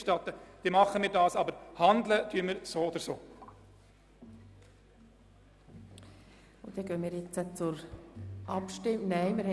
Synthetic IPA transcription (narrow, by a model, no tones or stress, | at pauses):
ʃtɑt̪əd̪̥iːmɑχəmiːɾdɑːsɑbəɾhɑnd̪lət̪ʰyːəmɪɾsoːoːd̪əɾsoː | od̥̪ɛɡ̥œnmiːɾjɛt͡sət͡sʊɾʔɑpʃtɪmnɛɪmɪɾhɛ